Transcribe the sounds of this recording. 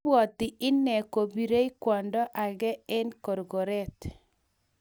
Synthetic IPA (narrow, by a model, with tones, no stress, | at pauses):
ɔ˨t̪ɪ˨ʔɪ˦nːɛ˨ko˨bi˨ɾe˦i˦kwɔ˨ndɔ˦ʔa˨ɣɛ˦ɛ˦nkɔ˨ɾɡɔ˨ɾɛ˦t